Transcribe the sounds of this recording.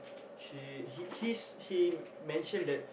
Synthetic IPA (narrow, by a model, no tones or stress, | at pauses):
ʃiihishi | mɛ̃nʃə̃ndɛt̚